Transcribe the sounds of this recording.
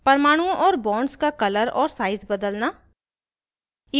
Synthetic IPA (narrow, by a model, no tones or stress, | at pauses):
pɐɾmaːɽ̃ũõʔɔːɾbɔ̃ːɳɖskakɐləɾɔːɾsaːɪzbɐd̪əlnaː | ɪ